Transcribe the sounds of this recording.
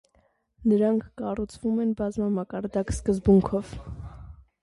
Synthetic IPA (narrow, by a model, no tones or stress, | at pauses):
nəɾɑŋkʰːɑrut͡sʰvumɛnbɑzmɑmɑkɑɾd̪ɑkskəzbuŋkʰɔv̥